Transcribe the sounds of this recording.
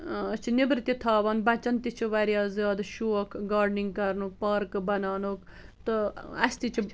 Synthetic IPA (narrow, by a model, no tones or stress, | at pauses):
t͡ʃʰinibɾɨt̪ʲit̪ʰaːʋɐnbɐt͡ʃɐnt̪it͡ʃʰiʋɐɾjaːzjaːd̪ʃuːɐkʰɡaːɾɖniŋɡ̚kɐɾnukpaːɾkbɐnaːnoːk | t̪ɨɐst̪it͡ʃʰ